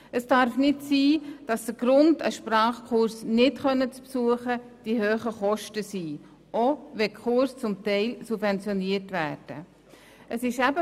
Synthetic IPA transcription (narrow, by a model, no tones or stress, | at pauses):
əsd̥ɑɾfnɪtsiːd̥ɑsd̥əɾɡ̥ɾʊndə̰ʃprɑːχkʰʊɾsnɪtχœnːət͡spsuəχə | d̥ihøːχəχɔʃtəsiː | ʔoʋɛkʰχʊɾst͡sʊmtɛɪlsubvɛnt͡sjɔniəɾtʋæ̰ːɾd̥ə | ʔəsɪʃæbə